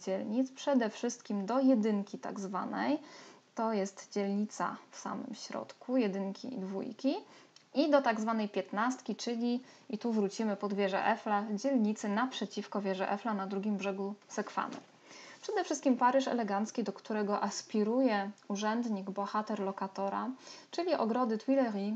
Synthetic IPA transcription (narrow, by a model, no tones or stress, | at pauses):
d͡ʑɛlɲit̪spʂɛd̪ɛfʂɘst̪kʲimd̪ɔjɛd̪ɘŋkʲit̪a̰ɡzva̰nɛ̰jt̪ɔjɛst̪d͡ʑɛlɲit̪sa̰fsa̰mɘ̰mɕɾɔ̰t̪kujɛd̪ɘŋkʲḭd̪vṵjkʲiid̪ɔt̪aɡzvanɛjpʲjɛt̪nast̪kʲit͡ʂɘlʲiit̪uvɾut͡ɕimɘpɔd̪vʲjɛʐɛ̰ʔɛflad͡ʑɛlɲit̪sɘnapʂɛt͡ɕifkɔvʲjɛʐɛʔɛflanad̪ɾuɡʲimbʐɛɡusɛkfa̰nɛ̰ | pʂɛd̪ɛfʂɘst̪kʲimpaɾɘʂɛ̰lɛɡant̪skʲid̪ɔkt̪uɾɛɡɔʔaspʲiɾujɛuʐɛnd̪ɲiɡbɔxat̪ɛɾlɔkat̪ɔɾa̰t͡ʂɘlʲiʔɔɡɾɔd̪ɘt̪wilɛɾi